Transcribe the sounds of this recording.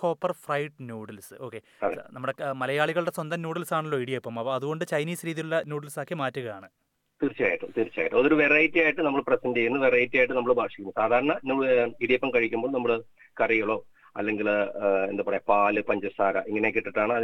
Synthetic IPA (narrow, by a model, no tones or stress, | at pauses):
ko̞ːpːɐrfrɐjʈɨnjuːɽɐlsɨo̞ːkːe̞ | ɐḛnɐmːuɽe̞mɐlɐjaːɭiɣɐɭɨɽe̞swɐnd̪ɐmnjuːɽɐlsaːɳulːoiɽijepːɐmɐpːɐðuɣo̞ɳɖɨt͡ɕɐjniːsɾiːðilulːɐnjuːɽɐlsaːkːimaːtːuɣɐjaːɳɨ | t̪iːrt͡ɕːiaːjiʈːumt̪irit͡ɕːa̰ːjiʈːɨmoðoɾuʋerɐjitːɐjaːjiʈːɨnɐmːɐɭprɐsɐnde̞junːɨʋerɐjtːaːjiʈːɨnɐmːɐɭɨbʱaːʂikʲːunːusaːd̪ʱaːɾɐɳɐnuːiɽijepːɐmkɐɻikʲːumboːɭnɐmːɐɭɨ | kɐrijuɭo̞ː | ɐlːe̞ŋɡile̞nd̪ɐpɐrjepaːlɨpɐɲd͡ʑɐsaːlɐ̰ʔiŋːɐnekːiʈːiʈːaːɳɨɐ